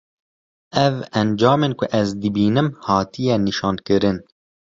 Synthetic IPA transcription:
ɛvɛnd͡ʒɑːmeːnkʰʊʔɛzd̪ɨbiːnɨmhɑːt̪ʰijɛniʃɑːnkɨɾɨn

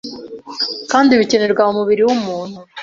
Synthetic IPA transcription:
kaːndiβiceneɾɡwaumuβiɾiwumuːn̥hu

